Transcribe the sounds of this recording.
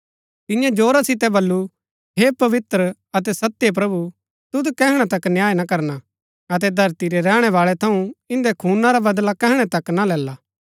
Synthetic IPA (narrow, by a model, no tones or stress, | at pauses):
t̪ɪjãd͡ʒoːɾasɪt̪ɛbɐlːu | ɦepɐʋɪt̪ɾə | ɐt̪̬ɛsɐt̪ːjep̬ɾɐbu | t̪ʊd̪kɛɦɽ̃at̪ɐknjaːenakɐɾna | ɐt̪̬ɛd̪ʱɐɾt̪iɾeɾɛːɽ̃ɛʋaːɭɛt̪ʰɐũɪ̃nd̪ekʰuːnaɾabɐd̪lakɛɦɽ̃ɛt̪ɐkːnalɛːlaː